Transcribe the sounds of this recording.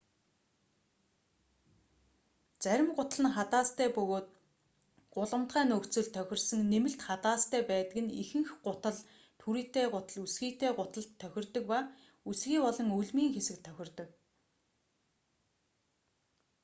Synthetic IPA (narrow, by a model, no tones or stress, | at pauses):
t͡sæɾʲɪ̆mɢʊt̪ə̆ɮə̆nχat̪aːst̪ʰæːpɵɣoːt̪̚ | ɢ̥ʊɮə̆mt̪ɢæːnɵkt͡sɵ̆ɮt̪ʰːœxʲɪ̆rsɵ̆ŋnemɘ̆ɬt̪χat̪aːst̪ʰæːpæːt̪ə̆kɘ̆nixɘ̆ŋxɢʊt̪ə̆ɮ | t̪ʰuɾiːt̪eːɢʊt̪ə̆ɮusɡiːt̪eːɢʊt̪ə̆ɮt̪ʰːœxʲɪ̆rt̪ɵ̆kpaː | usɣiːpɔɮɞ̆ŋuɮmiːŋxesɘ̆k̚t̪ʰːœxʲɪ̆rt̪ɞ̆k